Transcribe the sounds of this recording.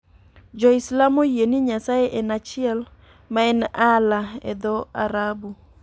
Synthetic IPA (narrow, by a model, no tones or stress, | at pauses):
d͡ʒɔislamojeniɲasajeʔɛnat͡ʃɪɛl | maɛnalaɛ̰d̪ɔaɾabu